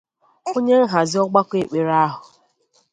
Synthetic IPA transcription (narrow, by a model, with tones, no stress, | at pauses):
o˦ɲe˦ŋ̩˦ɦa˨zɪ˦ɔ˦ɡ͡ba˦kʷe˨k͡pe˨ɾa˦ɦʊ˨